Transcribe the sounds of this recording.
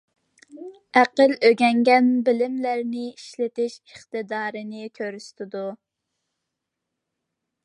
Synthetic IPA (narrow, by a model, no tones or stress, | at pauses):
æqəløɡʲɛŋɡʲɛnbɪlɪmlæɾnɪiʃlɪt̪ɪʃɪχt̪ɨd̪ɑːɾɨnɪkʲʰøɾyst̪ʰɪd̪u